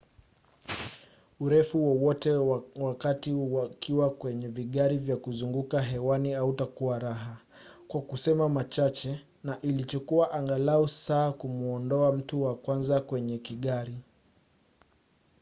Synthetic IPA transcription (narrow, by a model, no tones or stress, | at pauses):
uɾɛfuwɔwɔtɛwakatiwkiwakwɛɲɛviɠaɾivjakuzuŋɡukaɦɛwaniautakuwaɾaɦa | kwakusɛmamat͡ʃat͡ʃɛ | naʔilit͡ʃɔkuaʔaŋɡalausaːkumuɔndɔam̩tuwakwanzakwɛɲɛkiɠaɾi